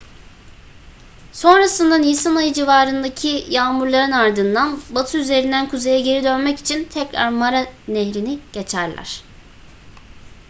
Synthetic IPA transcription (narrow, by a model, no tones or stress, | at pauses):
so̞nɾasɯnd̪anijsanajɯd͡ʒivaːɾɯnd̪acʰijaːmuɾlˠaɾɯnaɾd̪ɯnd̪anbat̪ʰɯyze̞ɾind̪ænkʰuze̞jaɟe̞ɾid̪ø̞nmɛci̥t͡ʃʰint̪ʰɛcɾa̰ɾmaɾaneɦɾiniɟ̥e̞t͡ʃʰæɾlʲæ̰ɾ̝̥